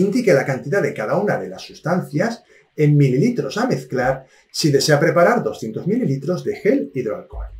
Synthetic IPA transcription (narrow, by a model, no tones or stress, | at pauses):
ind̪ikelakant̪iðaðe̞kaðaunaðe̞lasːust̪an̟θjas | emmililit̪ɾo̞same̞θklaɾ | siðe̞se̞apɾe̞paɾaɾðo̞sθje̞nt̪o̞zmililit̪ɾo̞zðe̞xe̞liðea̰lko̰l